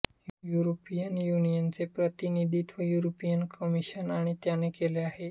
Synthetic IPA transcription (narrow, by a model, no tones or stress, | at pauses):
juɾopijənjunijənt͡sepɾət̪inid̪ʱit̪ʋəjuɾopijənkəmiɕənaɽ̃it̪janekeleaɦe